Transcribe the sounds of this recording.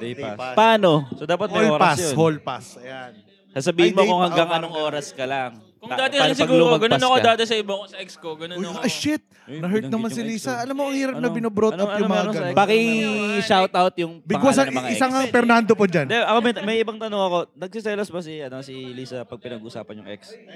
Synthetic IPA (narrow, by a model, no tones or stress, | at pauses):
ɛapaːnosod̪aːpɐt̪̚mɐoloɾpaasjoholpasɐjan | sasɐbiːhɪnmokohɐŋɡɐŋɐnoŋʔoːɾɐskɐlɐŋ | kʊŋd̪aːt̪ɪɐsɪɐɡuluɾoɐɡɐnponɐkod̪aːt̪ɛsɐɪbokosɐʔɛkskoɡɐnojɐʔɐʃɪt̪̚ | nɐɦɛɹt̪̚nɐmansɪliːsɐʔɐlamːoʔɐŋhiːɾɐpp̚nɐbɪnobɾotnɐɐnjʊmɐmɛaɾoɡɐɛpɐkɪʃawt̪awt̪̚jʊŋbɪɡwasɐɐɪsaŋɐŋfɛɾnand̪opod͡ʒand̪ɛʔɐkomɐmɐjʔɪbɐŋt̪ɐnoŋɐko̞nɐɡ̚sɪsɛlɐsbɐsɪɐnɐsiliːsɐpɐɡ̚pɪnɐɡʊsa̰ːpɐnjʊŋʔɛ̰k̚s